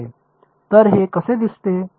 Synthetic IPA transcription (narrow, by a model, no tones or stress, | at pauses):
e | t̪əɾɦeːkɐsed̪ɪst̪eː